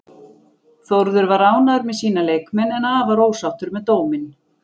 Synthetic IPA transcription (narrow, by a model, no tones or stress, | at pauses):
θɔɾðʏɾvaɾaːwnaðʏɾmɛðsiːnaleːjkmɛnɛnaːvaɾoːwsawht̪ʏɾmɛðt̪oːwmɪn